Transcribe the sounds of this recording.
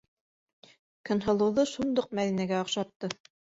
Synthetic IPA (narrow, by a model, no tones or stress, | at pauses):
kɤ̆nɦɤ̆lˠɤ̆wðɤʃund̪ɤq̚mæðinæɡæoqʃɑt̪ːɤ